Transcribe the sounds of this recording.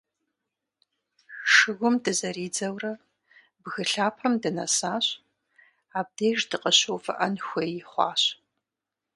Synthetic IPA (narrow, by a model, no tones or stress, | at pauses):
ʂɨɡʷʊmdɨzɐɾiːd͡zɐwrɐ | bɣɨɬaːpʰɐmdɨnɐ̰saːɕ | aːb̚deːʒdɨqəɕowfɨ̰ʔɐnxʷeːjɪχʷɑ̰ːɕ